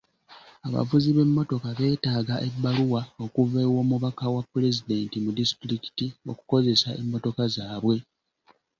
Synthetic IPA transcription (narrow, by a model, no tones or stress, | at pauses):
aβa̰vuziβe̞mːo̞to̞kaβe̞ːtaːɡaʔe̞bːaluwao̞kuve̞ːwo̞ːmuβakawapːule̞zide̞ːntimudisi̥tɾiki̥tio̞̰ku̥ko̞ze̞saʔe̞̰mːo̞to̞kazaːβwe̞